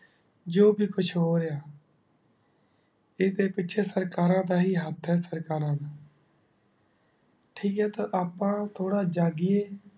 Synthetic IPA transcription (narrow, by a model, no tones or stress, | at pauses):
d͡ʒoːbʱiːkʊt͡ʃʰɦoːɾejaː | eːd̪eːpɪːʃʰeːsəɾkaːɾãːd̪aːɦiːɦət̪ʰɦɛːsəɾkaːɾãːna | ʈʰiːkɦɛːt̪aːʔaːpːãːt̪ʰoːɽaːd͡ʒaːɡɪːeː